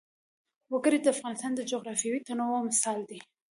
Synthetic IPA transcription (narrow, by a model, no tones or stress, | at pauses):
waɡəɾed̪əafɣɑnɪst̪ɑnd̪əd͡ʒoɣɾɑfijɑwit̪anowamɪsɑld̪i